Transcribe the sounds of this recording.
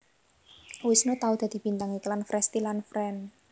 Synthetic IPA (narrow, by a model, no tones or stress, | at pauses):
wɪsnot̪aud̪̥ä̤d̪̥i̤b̥int̪aŋiklanfɾɛst̪ilanfɾɛn